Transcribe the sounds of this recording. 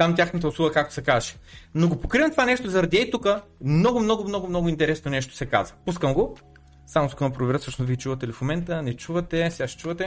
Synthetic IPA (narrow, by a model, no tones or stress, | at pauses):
t̪amt̪ʲjaxnət̪̬əʊslˠuɡəkak̚t̪o̥sɛkazʃɛ̥noɡopokɾivəmt̪ovanɛʃt̪ozɐɾɐd̪iɛjt̪ukəmnɔɡʊmnɔɡʊmnɔɡʊmnɔɡʊint̪ɛɾɛsnonɛʃt̪o̥sɛka̰zvəpuskəmɡo | samʊskɔnɐpɾʊvɛɾətsɤʃnosviit͡ʃuvət̪ɛlɛfomɛnt̪ənɛt͡ʃuvət̪ɛsɛaʃɛ̥t͡ʃuvət̪ɛ